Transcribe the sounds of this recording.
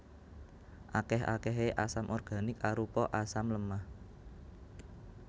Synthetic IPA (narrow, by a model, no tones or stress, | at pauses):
ʔakɛɦa̰kɛɦeʔasamʔɔrɡ̥a̤nɪkaɾupɔʔasamləmah